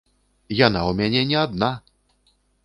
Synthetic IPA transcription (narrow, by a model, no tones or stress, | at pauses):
janawmʲanʲɛnʲɛad̪̚na